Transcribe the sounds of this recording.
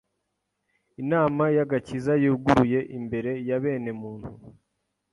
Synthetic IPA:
inaːmajaɡacizajiuɡuɾuje̞ʔimbe̞ɾe̞jaβe̞ːne̞muːn̥hu

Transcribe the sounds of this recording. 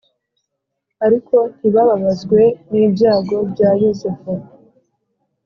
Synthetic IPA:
aɾikʰo̞n̥iβaβaβazɡwe̞niːbɟaːɡo̞bɟaːjozefu

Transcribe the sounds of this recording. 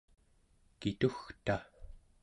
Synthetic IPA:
kit̪uxt̪a

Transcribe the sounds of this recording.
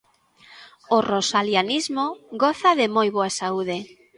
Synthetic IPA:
orosaljanizmoɣoθaðɪmojβoasauðe

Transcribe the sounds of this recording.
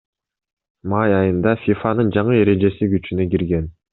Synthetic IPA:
mɑjɑjɯnd̪ɑfʲifanɯnd͡ʒɑɴɯe̞ɾe̞d͡ʒe̞siɡyt͡ʃynø̞ɡiɾɡe̞n

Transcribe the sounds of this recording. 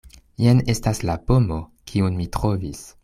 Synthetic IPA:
jene̞staslapo̞mo̞kʰiunmitɾo̞vis

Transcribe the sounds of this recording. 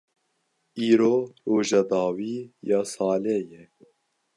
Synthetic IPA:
iːɾoːɾoːʒɛd̪ɑːwiːjɑːsɑːlɛjɛ

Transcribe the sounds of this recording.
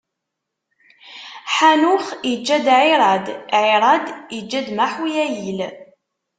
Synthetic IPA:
ħanʊχjəd͡ʒːæd̪ʕiɾˤɑd̪ʕiɾˤɑd̪əd͡ʒːæd̪maħwijæjil

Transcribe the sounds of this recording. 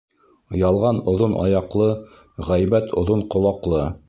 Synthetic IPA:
jɑlˠʁɑnŏðonʔɑ̰jɑqlˠɤ | ʁæjbæt̪ʰŏ̰ðoɴqŏlˠɑqlˠɤ

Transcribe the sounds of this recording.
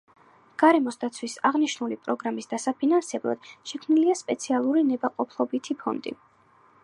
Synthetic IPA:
ɡ̥aɾɛmɔsd̪at̪sʰwisaʁniʃnulipʼɾɔɡɾamisd̪asapʰinansɛblˠa̰d̪̥ʃɛkʰmniliaspʼɛt̪sʰialˠuɾinɛbaqʼɔpʰlˠɔbit̪ʰipʰɔ̰nd̪ḭ

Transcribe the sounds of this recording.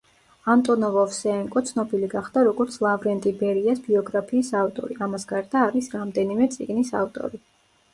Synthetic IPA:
ant̪ʼɔnɔvɔfsɛːŋkʼɔt̪sʰnɔbiliɡaχd̪aɾɔɡɔɾt̪sʰlˠavɾɛnt̪ʼibɛɾiasbiɔɡɾapʰiːsaft̪ʼɔ̰ɾiamasɡaɾd̪aːɾisɾamd̪ɛnimɛt̪sʼḭɡnisa̰ft̪ʼɔ̰ɾi

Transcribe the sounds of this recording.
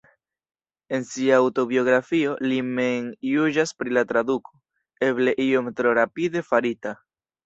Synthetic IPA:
e̞nsiaːwto̞bio̞ɡɾafio̞lime̞njud͡ʒaspɾilatɾadukʰo̞̥ | e̞ble̞ʔio̞mtɾo̞ɾapide̞faɾita

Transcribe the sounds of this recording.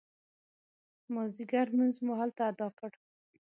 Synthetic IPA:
mɑziɡaɾmanzmuɦalt̪aːd̪ɑkəɽ

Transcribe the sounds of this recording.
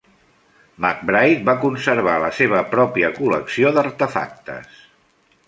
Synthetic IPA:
mak̚bɾajt̪̚bakunsəɾβaləseβ̞əpɾɔpiəkuləksioðəɾt̪əfa̰k̚t̪ə̰s

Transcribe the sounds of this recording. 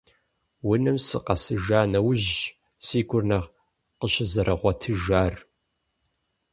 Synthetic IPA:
wʊnɨmsɨ̰qɐsɨʒaːnɐwʑ | siːɡʷʊrnɐʁ | qəɕɪzɐɾɐʁʷɔtʰɨʒaːr

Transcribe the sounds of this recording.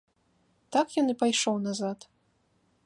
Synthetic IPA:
t̪akjanɨpajʂɔwnazat̪

